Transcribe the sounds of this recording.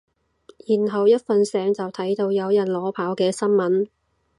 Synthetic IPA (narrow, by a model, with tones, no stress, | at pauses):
jiː˨˩nɦɐ˨wjɐ˥t̚fɐ˨nsɛː˨˧ŋt͡sɐ˨wt̪ʰɐ˨˥jt̪o˧wjɐ˨˧wjɐ˨˩nlɔː˨˥pʰaː˨˥wkɛː˧sɐ˥nmɐ˨˥n